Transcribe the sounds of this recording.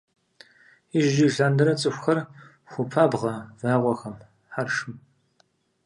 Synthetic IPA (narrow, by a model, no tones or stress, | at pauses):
ɪʒʒiɮaːndɐɾɐt͡sʼɨxʷxɐr | xʷʊpʰaːbʁɐvaːʁʷɔxɐm | ħarʂɨm